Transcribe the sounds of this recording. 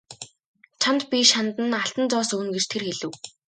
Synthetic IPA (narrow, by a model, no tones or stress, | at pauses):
t͡ɕʰant̪pʲiʃant̪ə̆naɬt̪ə̆nt͡sɔːsɵwnɡet͡ɕt̪ʰerxeɮɘ̆w